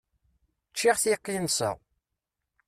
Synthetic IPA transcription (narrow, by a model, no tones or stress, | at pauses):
t͡ʃːiʁθiqːinsə̰ʁ